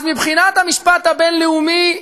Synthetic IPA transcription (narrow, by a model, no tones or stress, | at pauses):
zmibχinat̪hamiʃpat̪habenleumi